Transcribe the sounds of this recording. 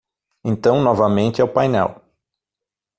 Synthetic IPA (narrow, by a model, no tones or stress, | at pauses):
ẽnt̪ɐ̃w̃nɔvɐmẽnt͡ʃɪɛʊpajnɛ̰w